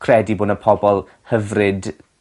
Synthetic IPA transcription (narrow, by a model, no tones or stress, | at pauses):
kʰrɛdiboːdəpʰɔbɔlˠ | həvrɨd